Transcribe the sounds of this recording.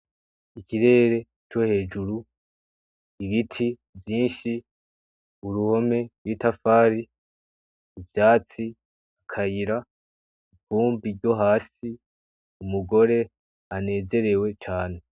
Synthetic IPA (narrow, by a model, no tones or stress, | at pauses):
ikiɾe̞ːɾe̞ | t͡ʃo̞he̞ːd͡ʒuɾu | iβitʰi | vjiːnʃi | uɾuho̞me̞wiːtafaːɾi | vjaːt͡si | akʰajiɾa | ibuːmbiɾɟo̞ɦaːsi | umuɡo̞ɾe̞ | ane̞ːze̞ɾe̞we̞t͡ʃaːne̞